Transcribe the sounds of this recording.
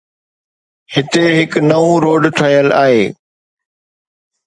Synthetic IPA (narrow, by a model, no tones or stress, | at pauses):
hɪt̪eɦɪknɐʋũɾoːɖʈʰɐɦijəla̰ːɦḛː